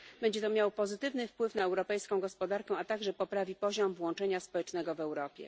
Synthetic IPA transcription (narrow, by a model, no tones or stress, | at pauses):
bɛɲd͡ʑɛt̪ɔmjawɔpɔzɘt̪ɘvnɘfpwɘfn̪aɛwɾɔpɛjskɔ̃w̃ɡɔspɔd̪aɾkɛ̃at̪aɡʐɛpɔpɾavʲipɔʑɔmvwɔ̃nt͡ʂɛɲaspɔwɛt͡ʂnɛɡɔvɛwɾɔpʲjɛ̰